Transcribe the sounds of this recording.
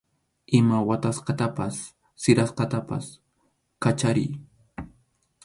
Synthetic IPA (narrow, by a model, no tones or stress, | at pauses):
ʔɪmawat̪asqɑt̪apasː | ɪɾasqɑt̪apa̰s | kat͡ʃaɾɪ̰j